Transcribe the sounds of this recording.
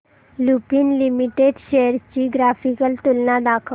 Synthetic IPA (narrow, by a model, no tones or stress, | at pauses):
lupiːnlimiʈeɖɕejəɾt͡ɕiːɡɾafikəlt̪ulnad̪akʰə